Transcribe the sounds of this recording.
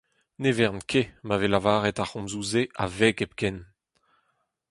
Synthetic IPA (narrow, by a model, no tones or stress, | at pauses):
nevɛʁnkʰemavelavaːʁɛt̪aχɔ̃mzuːzeʔavɛɡɛp̚kɛn